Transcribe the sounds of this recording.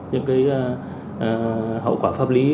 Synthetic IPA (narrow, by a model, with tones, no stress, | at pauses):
ɲɨ̰˧˥ŋkaː˨˦jʔ | ʔəː˨˩ɦə̰˧˨wkwaː˧˩faː˦˥p̚li˨˦